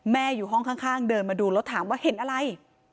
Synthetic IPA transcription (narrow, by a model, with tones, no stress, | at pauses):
mɛː˥˩juː˨˩ɦɔ˥˩ŋkʰaː˥˩ŋkʰaː˥˩ŋdɤː˧nmaː˧duː˧lɔ˦˥t̪ʰːaː˩˦mwaː˥˩he˩˦nʔa˧ɾa˧j